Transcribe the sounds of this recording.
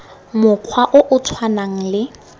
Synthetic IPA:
mʊq͡χʰwaʔʊʔʊtʰwanaŋ̩lɪ

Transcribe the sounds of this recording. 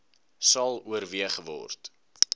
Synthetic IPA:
sɐlˠuəɾviəχəvɔ̰rt

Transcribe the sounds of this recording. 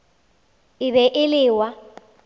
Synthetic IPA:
ɪβɛʔɪlɪːwa

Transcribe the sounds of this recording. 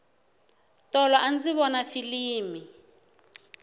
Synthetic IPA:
tɔlɔʔand͡ziβɔnafiliːmi

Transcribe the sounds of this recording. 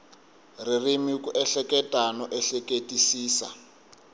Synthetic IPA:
ririmikuʔɛɬɛkʼɛtʼanɔʔɛɬɛkʼetʼisiːsa̰

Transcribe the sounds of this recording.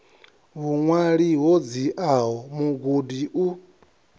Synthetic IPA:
βuŋwaɺiɦɔd͡ziʔaɦɔmuɡudiʔu

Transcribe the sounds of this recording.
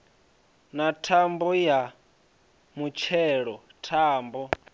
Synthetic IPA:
natʰambɔja | mut͡ʃʰɛːɺɔ | tʰaːmbɔ

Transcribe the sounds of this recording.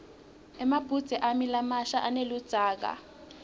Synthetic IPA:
ɛmab̥ʱud̥d͡z̥ʼʱɛʔamilamaʃaʔanelud̥d͡z̥ʱaːk̬a̰

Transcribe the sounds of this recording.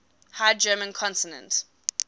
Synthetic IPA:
hajd͡ʒɜːmə̃nkʰɔ̃ntənə̰̃nt

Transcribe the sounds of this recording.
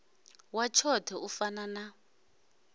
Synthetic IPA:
wat͡ʃʰɔtʰɛufanana

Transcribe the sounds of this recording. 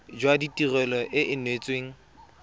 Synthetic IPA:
d͡ʒwaditʼirɛlɔʔɪʔɪnwet͡sʼweːŋ̩

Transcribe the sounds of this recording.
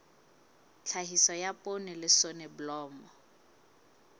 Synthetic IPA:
t͡ɬʰaɦisɔjapʼonɪlɪsonɛbʊlɔːmɔ

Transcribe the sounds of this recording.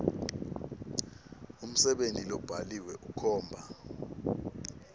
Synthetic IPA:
um̩sɛɓentʼilɔb̥ʱaliwɛʔukʰɔːmbʱa

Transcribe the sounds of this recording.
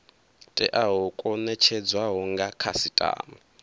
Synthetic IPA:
tʼɛʔaɦɔkʼɔnɛt͡ʃʰɛd͡zwaɦɔŋɡakʰasitʼa̰ːma

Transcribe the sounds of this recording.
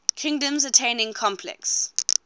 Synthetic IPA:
kʰɪ̃ŋdə̃mzətʰẽɪnɪ̃ŋkʰɔ̃mpʰlɛ̰ks

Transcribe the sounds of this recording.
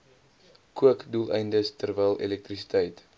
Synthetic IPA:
kuəkdulˠɛjndəstərvɛjlˠḛlɛk̚trisi̥təjt

